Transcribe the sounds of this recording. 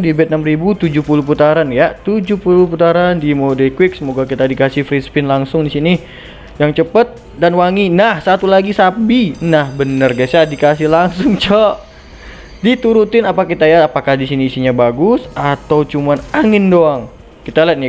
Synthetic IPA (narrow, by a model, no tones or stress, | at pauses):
dibɛt̪̚namribut̪ud͡ʒuhpuluhput̪aɾanjat̪ud͡ʒuhpulʊhput̪aɾandimodɛkwɪk̚səmoɡakit̪adikasɪhfɾispɪnlaŋsʊŋdisini | jaŋt͡ʃəpət̪̚ | danwaŋinahsat̪ulaɡisabinahbənərɡasadikasɪhlaŋsʊŋt͡ʃɔʔ | dit̪uɾut̪ɪnapakkit̪ajaapakahdisiniːsiɲabaɡʊsat̪awt͡ʃumanaŋɪndoaŋ | kit̪alat̪̚ni